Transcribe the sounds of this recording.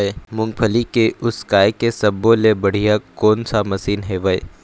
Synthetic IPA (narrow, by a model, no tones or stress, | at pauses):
emʊ̃ŋɡ̚pʰəlikeʔʊskaːjkesɐbːolebɐɽ̤ijakɔːnsamɐsiːnɦeʋəj